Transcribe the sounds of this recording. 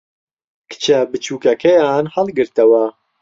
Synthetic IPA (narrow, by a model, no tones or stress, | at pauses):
kʰɨ̥t͡ʃɐbɨt͡ʃuːkɐkʰɐjaːnhɐlˠɡɨɾt̪ɐwɐ